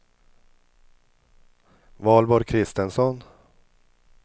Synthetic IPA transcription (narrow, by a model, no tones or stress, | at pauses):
vɑːlbɔɾkʰɾɪst̪ənsɔn